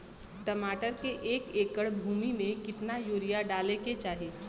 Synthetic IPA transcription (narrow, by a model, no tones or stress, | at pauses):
ʈəmaːʈəɾkeʔeːkeːkəɽbʱuːmimẽkɪt̪najuːɾijaɖaːleket͡ʃaːɦieː